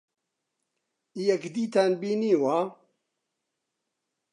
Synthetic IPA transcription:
ijɛkd̪iːt̪ʰaːnbiːniːwaː

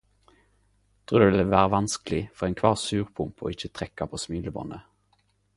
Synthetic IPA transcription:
t̪ʰʁʉːd̪eʋɪləʋæːʁəʋɑnskəlɪfɔʁeɪnkʰʋɑːʁsʉːʁpʰʊmpo̰ɪçət̪ʰʁɛkːɑpʰoːsmiːləbɔ̰nə

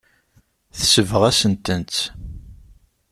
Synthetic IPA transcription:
θsəvəʁæsənt̪ənt͡s̪

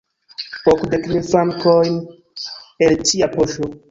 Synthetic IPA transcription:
okdekmilfɾaŋkojn | elt͡ʃiapoʃo

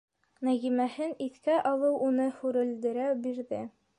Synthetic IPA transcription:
næɣimæhɘniθkæʔɑlˠɤwʔunɤhʉɾɘ̆ld̪ɘ̆ɾæbiɾðɘ

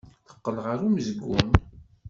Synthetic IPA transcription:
θə̥qːəlʁəɾuməzɡːun

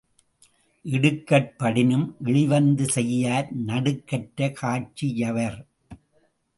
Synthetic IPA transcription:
ʔɪɽɯkːɐʈ̚pɐɽɪnɯmʔɪɭɪʋɐnd̪ɯsɛjːaːɾnɐɽɯkːɐʈːɐkʰaːt͡ʃːijɐʋɐɾ

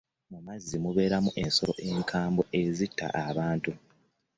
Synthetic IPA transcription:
mumazːimuβe̞ːɾamuʔe̞nsolo̞ʔe̞ːŋkʰaːmbo̞ʔezitːa̰ʔaβaːntu

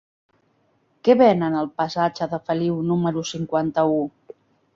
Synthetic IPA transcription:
kɛβɛnənəlˠpəsad͡ʒəðəfəliwnuməɾusiŋkwant̪əu

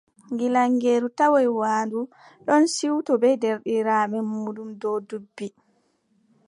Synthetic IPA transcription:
ŋɡilaŋɡeːɾutawɔjwaːndu | ɗɔnsiwtɔbɛdɛɾɗiɾaːmɛmuːɗumdɔdubːi

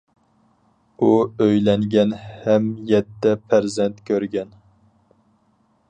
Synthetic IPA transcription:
uøjlɛŋɡʲɛnhɛmjɛt̪ːɛpʰæɾzɛnt̪kʲʰøɾɡʲɛn

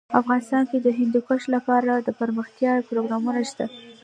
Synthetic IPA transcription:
afɣɑnɪst̪ɑnked̪əɦɪnd̪ukaʃlapɑɾad̪əpəɾməxt̪jɑpɾoɡɾɑmunaʃt̪a

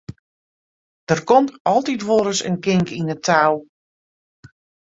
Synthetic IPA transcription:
d̥ərkɔmtɔlˠtitʋoːɾəsə̰nkɪŋkinətʰaw

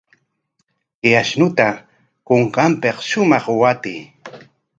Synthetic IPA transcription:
ɪaʃnʊt̪a | koɴqɑmpeqʃʊmɑχwat̪iː

